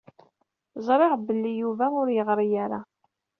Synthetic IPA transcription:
zˤɾˤeʁbəlːijuvæʊɾjəʁɾijaɾa

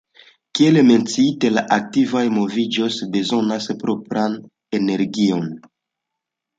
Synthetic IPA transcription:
kieleme̞nt͡siitelaʔak̚tivajmo̞vid͡ʒo̞sbe̞zo̞naspɾopɾan | e̞ne̞ɾɡio̞n

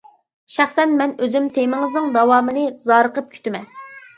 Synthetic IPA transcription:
ʃæχsɛnmɛnøzymt̪ʰemɪŋɪznɨŋd̪ɑwɑːmɨnɨzɑːɾəqəp̚kʲʰy̥t̪ʰɪmɛn

